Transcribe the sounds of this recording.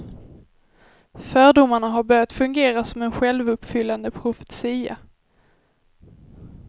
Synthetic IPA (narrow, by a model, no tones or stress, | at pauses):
fœːɖʊmaɳaɦaɾbœɾjat̪fɵŋɡeːɾasɔmɛnɧɛlvɵpːfʏlːand̪əpʰɾʊfɛ̥t̪siːa̰